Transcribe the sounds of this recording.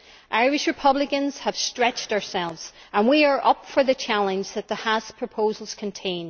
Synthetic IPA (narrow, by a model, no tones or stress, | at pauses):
ʔaɪɹɪʃɹɨpʰʌblɪkə̃nz̥əv̥stɹ̥ɛt͡ʃtə˞sɛlˠvz̥ | ə̃nwiə˞ʔʌpfə˞ðɨt͡ʃʰalˠə̃nd͡ʒðət̪̚ðəhaspʰɹ̥əpʰozəlˠz̥kʰə̃ntʰẽɪ̃n